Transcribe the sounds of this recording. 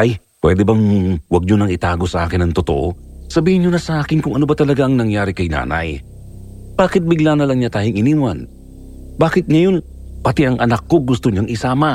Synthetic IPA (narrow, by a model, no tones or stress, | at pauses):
ʔɐj | pwɛ̰d̪ɛbɐŋwɐɡ̚ɲonɐŋɪt̪aːɡo̞sɐʔaːkɪnɐŋt̪ot̪o̰ʔo | sɐbiːhɪnːonɐsɐʔaːkɪnkʊŋʔɐnobɐt̪ɐlɐɡaʔɐŋnɐŋjaːɾɪkɐjna̰ːnɐ̰j | b̥aːkɪt̪̚bɪɡlaːnɐlɐŋɲat̪aːjʊŋʔɪnimwan | baːkɪt̪̚ŋɐjo̞n | pɐt̪ɪʔɐŋʔɐnakːo̞ɡʊst̪oɲaŋʔɪsaːmɐ